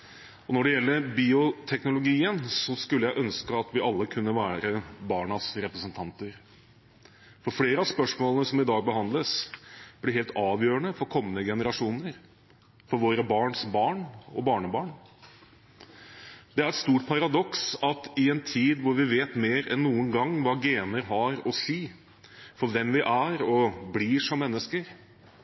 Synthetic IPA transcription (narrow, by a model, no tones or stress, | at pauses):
ɔnɔɖɛjɛlːəɾbiːʊt̪ʰɛknʊlʊɡiːənsɔskʉlːəjæɪʔœnskəɑt̪ʋɪʔɑlːəkʰʉnːəʋæːɾəbɑːɳɑsɾɛpɾəsənt̪ʰɑnt̪əɾ | fɔɾfɽeːɾəɑspœʂmoːlənəsɔmɪd̪ɑːɡ̚bəhɑnd̪ləsb̥lɪɾhɦeːlt̪ɑːʋjøːɾəɳəfɔɾkʰɔmːənəɡɛnəɾɑʂuːnəɾ | fɔɾʋoːɾəbɑːɳsbɑːɳɔ̰bɑːɳəbɑːɳ | d̪̥ɛæɾɛt̪st̪uːʈpʰɑɾɑd̪ɔksɑt̪ɪɛnt̪ʰiːd̪ʋʊɾʋɪʋeːt̪meːɾɛnːuːənɡɑŋːʋɑːɡeːnəɾɦɑɾɔsiː | fɔɾʋɛmʋɪʔæɾɔbliːʂɔmːɛnːəskəɾ